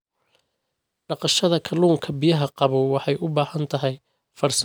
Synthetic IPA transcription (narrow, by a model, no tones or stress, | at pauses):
ɖɑqɑʃɐðɐkʰɐluːŋkʰɐbɪjɐɦɐqɑβɔwɑħɑjʔʊbaːhɐnt̪ʰɐɦɛj | fɐrs